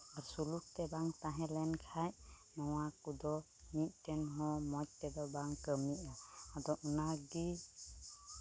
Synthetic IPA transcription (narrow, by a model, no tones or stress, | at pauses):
aɾsuluk̚t̪ɛbaŋt̪ãɦɛ̃lɛnkʰaj | nɔwakud̪ɔ | miʔ̚ˀt̪ɛnɦɔmɔc̚t̪ɛd̪ɔbaŋkəmiʔaad̪ɔʔunaɡi